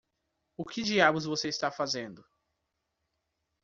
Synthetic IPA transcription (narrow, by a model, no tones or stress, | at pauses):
ʊkɪd͡ʒiabʊzvoseist̪afazẽnd̪ʊ